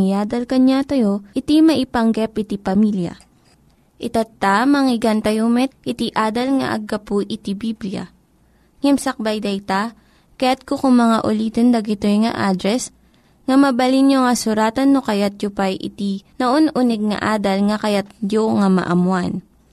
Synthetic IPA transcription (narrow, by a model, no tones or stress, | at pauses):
ɪjaːd̪ɐlkɐɲat̪ɐjoʔɪt̪imɐʔɪpɐŋɡɛpɪt̪ipɐmiljɐ̰ | ʔɪt̪at̪ːamɐŋɪɡant̪ɐjomɛt̪̚ʔɪt̪iʔaːd̪ɐlŋɐ̰ʔɐ̰ɡːɐpuʔɪt̪ibiblija̰ | ŋɛmsɐk̚bɐjd̪ɐjt̪a | kɐjat̪̚kokʊŋmɐŋaʔʊliːt̪ond̪ɐɡɪt̪ojŋɐ̰ʔaːd̪ɾɛs | ŋɐmɐbɐlinjoŋɐsʊɾaːt̪ɐnːokɐjat̪̚jopajʔɪ̰t̪inɐʔonʔʊnɛɡ̚ŋɐ̰ʔaːd̪ɐlŋɐkɐjat̪̚joŋamɐ̰ʔɐmwan